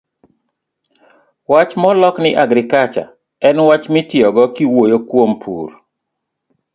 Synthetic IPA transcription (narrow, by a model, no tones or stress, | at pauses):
wat͡ʃmɔlɔknɪʔaɡɾɪkat͡ʃa̰ | ɛnwat͡ʃmɪtjɔɡɔkiwojokwompʰṵr